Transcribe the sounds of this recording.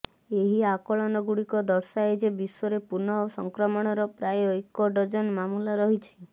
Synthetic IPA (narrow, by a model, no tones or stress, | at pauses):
eɦiakɔɭɔnɔɡuɽikɔd̪ɔɾsaed͡ʒebiswɔɾepuɾnɔosɔŋkɾɔmɔɽ̃ɔɾɔpɾajɔekɔɖɔd͡ʒɔnmamulaɾɔɦit͡ʃʰi̥